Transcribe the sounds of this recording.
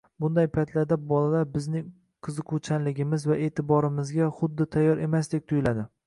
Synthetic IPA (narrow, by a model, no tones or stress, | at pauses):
bʊnd̪ajpʰajt̪ʰlaɾd̪abɒlalaɾbɪznɪ | qʰɨzɨqʰʊt͡ʃʰanlɪɡʲɪmɪzvaʔe̞ːt̪ʰɪbɒɾɪmɪzɡʲaχʊd̪ːɪt̪ʰajːɒɾe̞masd̪ek̚ʲt̪ʰʊjʊlad̪ɪ